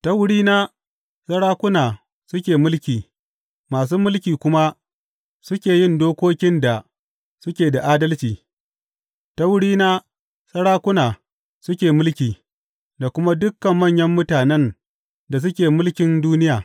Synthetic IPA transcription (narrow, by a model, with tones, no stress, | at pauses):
tɐ˦wʊ˦ɽiː˦na˦ | sɐ˦ɽaː˦kʷʊ˦naː˨ | sʊ˦kʲeː˨mʊ˦lkʲiː˨ | maː˨s̬uː˦mʊ˦lkʲiː˨kʷʊ˦ma˦ | sʊ˦kʲeː˨jɪ˦ndoː˦kʷoː˦kʲɪ˦nda˨ | sʊ˦kʲeː˨da˨ʔaː˦dɐ˦lt͡ʃiː˨ | ta˦wʊ˦ɽiː˦naː˦ | sɐ˦ɽaː˦kʷʊ˦naː˨ | sʊ˦kʲeː˨mʊ˦lkʲiː˨ | da˨kʷʊ˦ma˦dʊ˦kːɐ˨mːɐ˦˨ɲjɐ˦mːʊ˦taː˨nɛ˦n | da˨s̬ʊ˦kʲeː˨mʊ˦lkʲɪ˦nduː˦nɪ˦jaː˨